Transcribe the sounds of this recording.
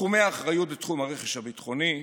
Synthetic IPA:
χumeaːχʁajutletχumaʁeχeʃhabit̪χo̞ni

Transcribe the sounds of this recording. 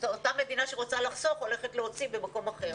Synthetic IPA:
otame̞d̪inaʃeʁot͡salaχso̞fole̞χetleo̞t͡sibemako̞maχe̞ʁ

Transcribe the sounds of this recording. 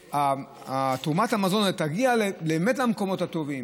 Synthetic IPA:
a | tumathamazo̞netaɡialleːmetlamko̞mo̞thato̞vim

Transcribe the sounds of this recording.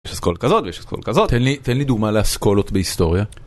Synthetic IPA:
eʃaskolkazo̞t̪vejeʃasko̰lkazot̪t̪enlit̪enlid̪uɡmaleaskolot̪behist̪o̞ʁja

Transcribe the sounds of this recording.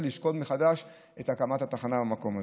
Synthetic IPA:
liʃko̞tmeχad̪aʃ | et̪hakamat̪hat̪aχanabamako̞ma

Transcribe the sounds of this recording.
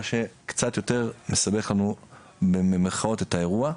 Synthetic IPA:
aʃe̞kt͡satjo̞te̞ʁme̞sabe̞χlanu | bememeʁχao̞te̞tae̞ʁua

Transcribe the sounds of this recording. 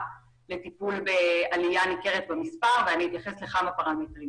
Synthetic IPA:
le̞tipulbealijanike̞ʁetbemispaʁveanihit̪jaχe̞sleχamapaʁametʁim

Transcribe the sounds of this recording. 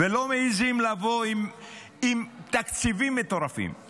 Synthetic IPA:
velo̞meizimlavoim | imt̪akt͡sivimːet̪o̞ʁafḭm

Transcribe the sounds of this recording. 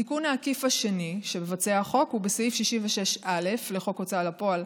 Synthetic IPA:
tikunaːkifaʃe̞niʃe̞mevat͡seaχo̞khubeseifʃiʃimveʃe̞ʃʔale̞fle̞χo̞kot͡salapo̞al

